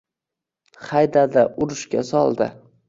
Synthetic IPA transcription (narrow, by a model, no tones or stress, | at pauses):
χajd̪ad̪aʔʊɾɪʃkʲasɒlˠd̪ɪ̰